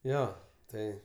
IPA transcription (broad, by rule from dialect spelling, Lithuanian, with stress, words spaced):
ˈjoː ˈtɐɪ